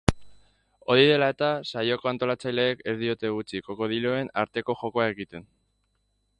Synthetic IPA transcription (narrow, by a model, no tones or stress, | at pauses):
o̞ɾiðe̞lae̞t̪asajoko̞ant̪o̞lat͡sajle̞ːke̞zðio̞t̪e̞ɣut͡siko̞ko̞ð̞iloe̞naɾt̪e̞ko̞ʝo̞ko̞ae̞ɣit̪e̞n